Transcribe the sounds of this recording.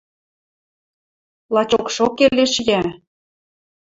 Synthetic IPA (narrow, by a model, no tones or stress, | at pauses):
lɑt͡ɕokʃokːeleʃjæ